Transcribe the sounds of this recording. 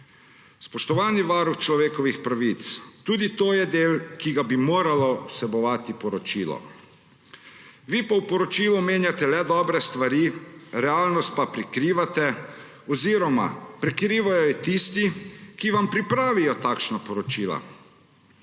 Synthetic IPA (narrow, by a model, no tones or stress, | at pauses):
spɔʃt̪ɔʋaːniʋaːɾuxt͡ʃlɔʋeːkɔʋixpɾaʋit̪st̪uːd̪it̪oːjɛd̪eːlkiɡabimoːɾalɔwsɛbɔʋaːt̪ipɔɾɔt͡ʃiːlɔ̰ | ʋipawpɔɾɔt͡ʃilumeːnjat̪ɛlɛd̪ɔːbɾɛst̪ʋaɾiɾɛaːlnɔst̪̚papɾikɾiːʋat̪ɛ | ɔziːɾɔma̰pɾɛkɾiːʋajɔjɛt̪ist̪ikiʋampɾipɾaːʋijɔt̪aːkʃnapɔɾɔt͡ʃiːla̰